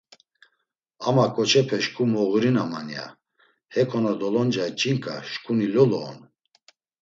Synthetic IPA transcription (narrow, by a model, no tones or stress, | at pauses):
amakʼɔt͡ʃʰɛpʰɛʃkʼumɔɣuɾinamanja̰ | hɛkʰɔnad̪ɔlɔnd͡ʒait͡ʃʼiŋkʼaʃkʼunilɔlɔ̰ːn